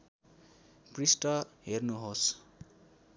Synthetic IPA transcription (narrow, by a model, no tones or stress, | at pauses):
prisʈʌɦernuɦos